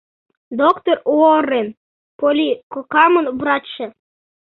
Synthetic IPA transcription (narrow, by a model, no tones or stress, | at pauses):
d̪okt̪oruorːen | polʲikokɑmə̆nβrɑt͡ɕːĕ